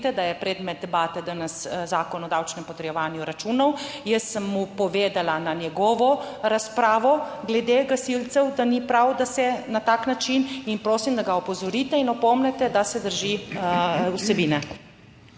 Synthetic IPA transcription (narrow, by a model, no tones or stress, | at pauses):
t̪ɛd̪ajɛpɾɛːd̪mɛt̪̚d̪ɛbaːt̪ɛd̪anɐszaːkɔnɔd̪awt͡ʃnɛmpɔt̪ɾjɛʋaːnjuɾat͡ʃuːnɔw | jəsːəmːupɔʋeːd̪alananjɛɡɔːʋɔ | ɾaspɾaːʋɔɡlɛd̪eɡasilt̪sɛwd̪anipɾawd̪asɛnat̪aːknat͡ʃininpɾoːsimd̪aɡaɔpɔzɔɾit̪ɛinɔpɔmnɛt̪ɛd̪asɛd̪əɾʒi | usɛbiːnɛ